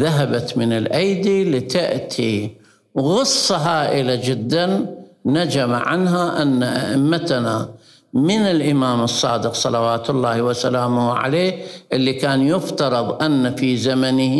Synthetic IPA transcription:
ðaɦabat̪mɪnɪlʔajd̪iːlɪt̪aʔt̪ʰi | ɣɨsˤːɑɦaːʔɪlad͡ʒɪd̪ːanːad͡ʒamaʕa̰nɦaʔanːaʔaʔɪmːat̪na | mɪnɪlʔɪmaːmɨsˤːɑ̰ːd̪ɪqsˤɑlɑwaːt̪ʊlːaːhwasalaːmʊʕa̰leːʔɪlːikaːnjʊft̪ɑɾˤɨðˤʔanːafiːzamanɪh

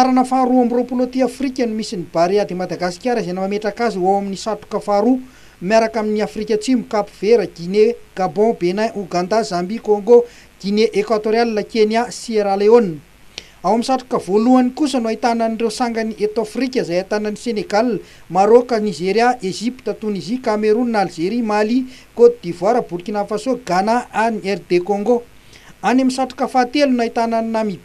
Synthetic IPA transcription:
aɾanəfaɾuamiropulot̪iafrikʲənumisinib̥aɾead̪emad̪aɡasi̥kʲaɾizenəmameʈ͡ʂakaziawaminisaʈ͡ʂu̥kəfaɾu | mjaɾakaminiafɾikʲət͡simukapu̥v̥eɾəɡ̥ineɡ̥abɔ̃benaʔuɡãnd̪azambikoŋɡo | ɡ̥ineʔekwat̪oɾialinakeniasieɾaleonː | awamisaʈ͡ʂḁkəvoluanikusənuait̪ananiɳrewsaŋɡəniʔet̪afrikʲəzajat̪anəniseneɡal | maɾokənizeɾjaʔeʒipi̥t̪ət̪unizikameɾunnalzeɾimalikod̪id̪ivwaɾəbuɾkʲinafasoɡanaʔaniɛɾd̪ekoŋɡo | anamisaʈ͡ʂḁkəfat̪elunait̪ananinamib

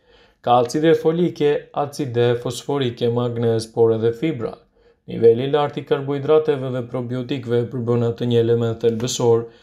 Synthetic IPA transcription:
kat͡sid̪ɛfɔlikɛat͡sid̪ɛfɔsfɔɾikɛmaɡnɛzpɔɾɛðɛfibɾa̰ | nḭvɛlilaɾt̪ikaɾbɔjd̪ɾat̪ɛvɛðɛpɾɔbiɔt̪ikvɛpəɾbənat̪əɲəɛlɛmɛt̪ɛlbəsɔɾ

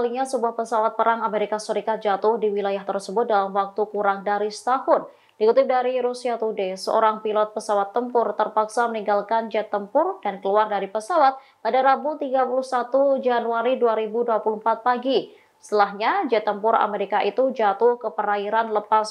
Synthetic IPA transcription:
aliŋɲasəbuahpəsawat̪̚pəɾaŋameɾikasəɾikat̪̚d͡ʒat̪ʊhdiwilajaht̪ərsəbʊt̪̚dalamwak̚t̪ukuɾaŋdaɾisə̥t̪ahʊn | d̥ikut̪ɪp̚daɾiɾusiat̪udesəo̰ɾaŋpilɔt̪̚pəsawat̪ːəmpʊrt̪ərpaksaməniŋɡalkand͡ʒɛt̪ːəmpʊrdankəluardaɾipəsawat̪̚ | padaɾabut̪iɡapuluhsat̪ud͡ʒanuaɾiduaɾibuduapuluəmpat̪̚paɡi | st̪əlaɦɲad͡ʒɛt̪ːəmpʊra̰meɾikaʔit̪ud͡ʒat̪ʊhkəpəɾaiɾanləpas

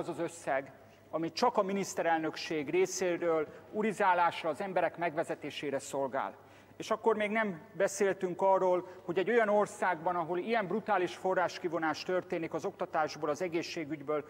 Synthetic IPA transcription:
zɒzø̞sːɛɡ | ɒmit͡ʃɒkɒminist̪ɛɾɛlnø̞kʃeːɡreːseːɾøːluɾizaːlaːʃrɒːzɛmbɛɾɛkmɛɡvɛzɛt̪eːʃeːɾɛso̞lɡa̰ːl | eːʃɒkːo̞rmeːɡnɛmbɛseːlt̪yŋkɒrːoːlho̞ɟɛɟo̞jɒno̞rsaːɡbɒnɒɦo̞lijɛmbrut̪aːliʃfo̞rːaːʃkivo̞naːʃt̪ørt̪eːnikɒzo̞kt̪ɒt̪aːʒboːlɒzɛɡeːʃːeːɡyɟbøːl

